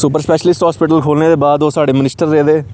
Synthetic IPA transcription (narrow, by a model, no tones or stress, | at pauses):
sʊːpəɾspɛːʃəlɪsʈɦɔːspɪʈəlkʰoːlneːd̪eːbaːd̪oːsaːɖeːmɪnɪsʈəɾːeːd̪eː